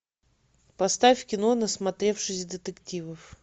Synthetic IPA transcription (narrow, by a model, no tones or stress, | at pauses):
pɐst̪afʲkʲɪnonəsmɐt̪ɾʲe̞fʂɨsʲd̪ət̪ɨktʲivəf